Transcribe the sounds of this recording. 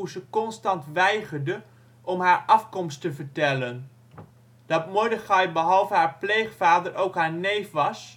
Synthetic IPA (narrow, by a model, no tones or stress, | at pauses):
uzəkɔnstɑntʋɛjχəɹdə | ʔɔmɦaːɹɑfkɔmstəvəɹtɛlən | d̥ɑtmʊɹdəχɑjbəɦɑlˠvəɦaːɹplejχfaːdəɹowkɦaːɹnejfʋɑs